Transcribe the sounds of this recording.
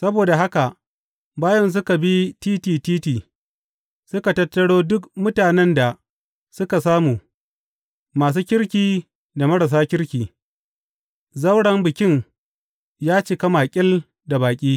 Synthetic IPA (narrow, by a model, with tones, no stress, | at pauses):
sɐ˦boː˨da˨ɦa˦ka˨ʔ | baː˦jɐ˦ns̬ʊ˦ka˨bi˦tiː˦tiː˨tiː˦tiː˨ | sʊ˦ka˨tɐ˦tːɐ˦ɽoː˦dʊ˦kmʊ˦taː˨nɛ˦nda˨ | sʊ˦ka˨saː˦mu˨ | maː˨s̬uː˦kʲɪ˦ɽkʲiː˨ | da˨mɐ˦ɽɐ˨s̬aː˦kʲɪ˦ɽkʲiː˨ | zɐ˦wɽɐ˨mbɪ˨kʲɪ˦ŋ | jaː˦t͡ʃɪ˨kɐ˦maː˨kʲʼɪ˦l | da˨baː˨kʲʼiː˦